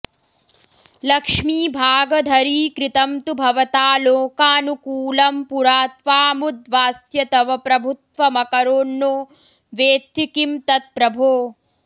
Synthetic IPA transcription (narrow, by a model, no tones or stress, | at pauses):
lɐkʂmiːbʱaːɡɐd̪ʱɐɾiːkɾɪt̪ɐmt̪ubʱɐʋɐt̪aːloːkaːnukuːlɐmpuɾaːt̪ʋaːmud̪ʋaːsjɐt̪ɐʋɐpɾɐbʱut̪ʋɐmɐkɐɾoːɳːoː | ʋeːt̪ːikimt̪ɐt̪̚pɾɐbʱoː